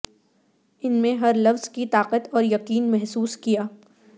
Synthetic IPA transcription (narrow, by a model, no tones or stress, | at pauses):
ɪnmẽɦɐɾlɐfz̥kit̪aːqət̪ɔːɾjɐqiːnmɛɦsuːskijaː